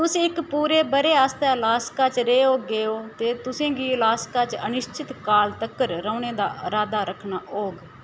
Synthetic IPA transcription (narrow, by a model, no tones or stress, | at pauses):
t̪ʊsĩːɪkpuːɾeːbəɾeːaːst̪aːlaːskaːt͡ʃɾeːɦoːɡeːoːt̪eːt̪ʊsẽːɡiːlaːskaːt͡ʃənɪʃt͡ʃʰɪt̪kaːlt̪əkːəɾɾəːneːd̪aːəɾaːd̪aːɾəkʰnaːʔoːɡ